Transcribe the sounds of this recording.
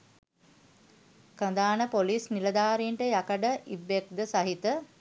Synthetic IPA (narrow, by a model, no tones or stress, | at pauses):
kənd̪aːnəpoliːsniləd̪aːɾiɳʈəjakəɖəʔibːek̚d̪əsaɦit̪ə